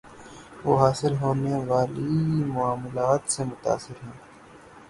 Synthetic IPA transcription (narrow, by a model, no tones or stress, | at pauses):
ʋoːɦaːsɪlɦoːneʋaːlimʊaːmlaːt̪semʊt̪a̰ːsɪɾɦɛ̃ː